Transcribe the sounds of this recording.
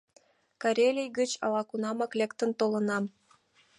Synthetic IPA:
kɑɾʲelʲijɡət͡ɕɑ̰lɑkunɑmɑklʲekt̪ə̆nt̪olə̆nɑm

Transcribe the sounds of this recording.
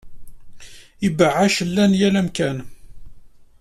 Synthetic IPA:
ibəʕːaʃəlːænjælæmkæn

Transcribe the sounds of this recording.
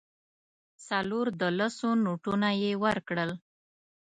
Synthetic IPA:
saloɾd̪əlasonuʈunajewəɾkɽəl

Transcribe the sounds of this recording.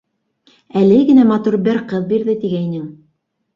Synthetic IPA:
ælɘɡɘ̆næmɑt̪uɾbɘɾqɤðbiɾðɘt̪iɡæinɘŋ

